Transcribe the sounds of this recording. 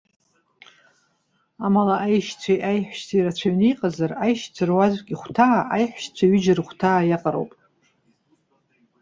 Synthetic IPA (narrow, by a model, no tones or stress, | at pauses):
amalaʔajʃt͡sʷʰajʔajħʷᶣʃt͡sʰiiɾat͡ɕʷʰaɥniqʼazarajʃt͡sʷʰɨrwazʷkʲʼiχʷtʰaːʔajħʷʃt͡sʷʰaɥʏd͡ʒɪrχʷtʰaːjaqʼaɾo̰wpʼ